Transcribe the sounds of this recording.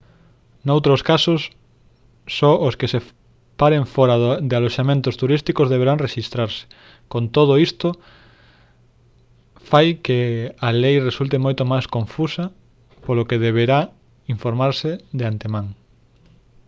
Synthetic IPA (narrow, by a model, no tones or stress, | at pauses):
nowt̪ɾoskasosː | ɔʔoskese | paɾẽɱfɔɾaðd̪ealoʃamẽnt̪ost̪uɾist̪ikozðeβeɾaŋreʃist̪ɾaɾsɪ̥ | kont̪oð̞oist̪o | fajkealejresult̪emojt̪omajskõɱfusɐ | polokeðeβ̞eɾa | iɱfoɾmaɾseðeant̪emãŋ